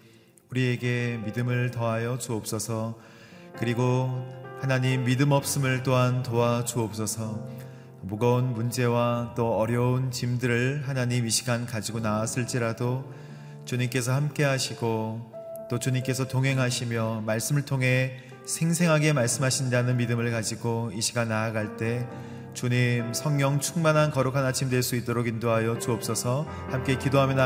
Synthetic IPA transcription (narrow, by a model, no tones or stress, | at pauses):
uɾie̞ɡe̞midɯmɯɭtʌajʌt͡ɕuʌp̚s͈ʌsʰʌ | kɯɾiɡohanaɲimːidɯmʌp̚s͈ɯmɯɭt͈oɦantoat͡ɕuʌp̚s͈ʌsʰʌ | muɡʌunmund͡ʑe̞wat͈oʌɾjʌunt͡ɕimdɯɾɯɭhanaɲimiɕʰi̥ɡankad͡ʑiɡonaas͈ʰɯɭt͡ɕ͈iɾado | t͡ɕuɲimk͈e̞s̬ʰʌhamk͈e̞ɦaɕʰiɡo | t͈ot͡ɕuɲimk͈e̞sʰʌtoŋɦe̞ŋɦaɕʰimjʌmaɭs͈ɯmɯɭtʰoŋɦe̞ | sʰe̞ŋsʰe̞ŋɦaɡe̞maɭs͈ɯmɦaɕʰindanɯnmidɯmɯɭkad͡ʑiɡoiɕʰiɡanaːɡaɭt͈e̞ | t͡ɕuɲimsʰʌŋːjʌŋt͡ɕʰuŋmanankʌɾokʰanat͡ɕʰimdweɭs͈uit͈oɾoɡindoɦajʌt͡ɕuʌp̚s͈ʌsʰʌ | hamk͈e̞kidoɦamjʌna